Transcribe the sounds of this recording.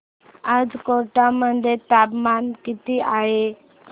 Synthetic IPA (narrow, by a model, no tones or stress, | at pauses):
ad͡zkoʈamənd̪ʱet̪apmankit̪iʔaɦe